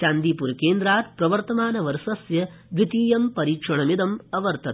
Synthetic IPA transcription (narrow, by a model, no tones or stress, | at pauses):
t͡ʃaːnd̪iːpuɾkeːnd̪ɾaːt̪pɾɐʋɐɾt̪ɐmaːnɐʋɐɾsɐsjɐ | ʋit̪iːjɐmpɐɾiːkʂɐɳɐmid̪ɐmɐʋɐɾt̪ɐt̪